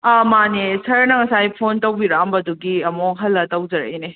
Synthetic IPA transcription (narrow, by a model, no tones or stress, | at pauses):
amanesɐɾnɐŋɐsajpʰontɐwbiɾambɐduɡiɐmoɦɐlːɐtɐwd͡ʒɐɾḛjne